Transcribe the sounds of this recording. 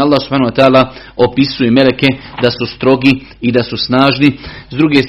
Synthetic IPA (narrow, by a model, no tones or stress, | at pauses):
alːaːhsub̥ʰħaːnuaat̪aːla | o̞pisujemeleke̞d̪asust̪ɾo̞ɡi | id̪asusnaːʒnizd̪ɾuɡe̞s